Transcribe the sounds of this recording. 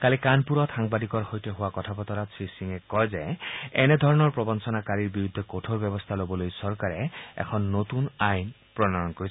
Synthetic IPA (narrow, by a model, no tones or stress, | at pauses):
kalikanpuɹɔtxaŋbadikɔɹxojtɔɦʊwakɔtʰapɔt̪ɔɾasʰisiŋɛkɔjzɛɛnɛd̪ʱɔɹɔnɔɹpɹɔbɔnsɔnakaɹiɹbiɹud̪ʱːɛkotʰoɹbɛbɔst̪ʰalobɔlojsɔɹkaɹɛɛ̰kʰɔnːot̪unajn | pɹɔnanɔnkoɹi